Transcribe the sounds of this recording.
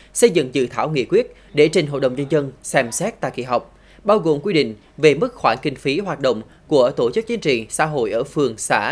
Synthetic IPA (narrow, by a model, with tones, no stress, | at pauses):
sə˧jzɨ̰˧˨ŋzɨ̰˧˨t̪ʰaː˧˩wŋḭ˧˨kwi˦˥ət̚ | ɗe˧˩t͡ɕe˨˩ŋɦo̰˧˨ɗə˨˩wŋ͡mɲə˧nzə˧nsɛ˧msɛ˦˥t̚t̪a̰ː˧˨jkḭ˧˨ɦa˨˩wk͡p̚ | ɓaː˧wɣo˨˩mkwi˧ɗḭ̈˧˨ŋ̟ | ve˨˩mɨ˦˥k̚xwaː˧˩nkï˧ŋ̟fi˨˦ɦwaː˨˩t̚ɗə̰˧˨wŋ͡m | ku˧˩ət̪o˧˩t͡ɕɨ˦˥k̚t͡ɕi˨˦nt͡ɕḭ˧˨sa̰ː˧˥ɦo̰˧˨jʔəː˧˩fɨ˨˩əŋsa̰ː˧˥